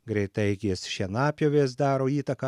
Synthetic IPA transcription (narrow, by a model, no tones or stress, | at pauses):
ɡɾʲɛɪt̪ɐɪɡʲesʃʲinɑːpʲjoːʋʲeːsd̪ɑːɾoːiːt̪ɐkɐ